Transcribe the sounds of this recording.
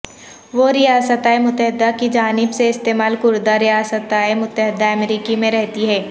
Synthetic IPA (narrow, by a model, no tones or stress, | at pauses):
ʋoɾɪjaːsət̪aːemʊt̪ːəɦɪd̪akid͡ʒaːnɪbseɪst̪eːmaːlkʊɾd̪aɾijaːsət̪aːemʊt̪ːəɦɪd̪ːaɐmɾiːkimẽɾɛɦt̪iɦɛː